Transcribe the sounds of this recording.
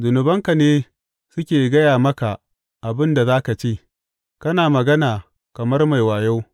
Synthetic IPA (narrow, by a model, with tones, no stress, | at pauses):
zʊ˨nʊ˨bɐ˦ŋka˨neː˦ | sʊ˦kʲeː˨ɡɐ˦jaː˨mɐ˦ka˨ | ʔa˨bɪ˦nda˨zaː˦ka˨t͡ʃeː˦˨ | kɐ˦naː˨mɐ˨ɡɐ˦naː˨ | kɐ˨mɐ˦rma˨jwaː˨ja˦w